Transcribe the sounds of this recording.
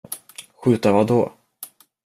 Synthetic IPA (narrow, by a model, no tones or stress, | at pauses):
ɧʉ̟ːt̪avad̪ɔː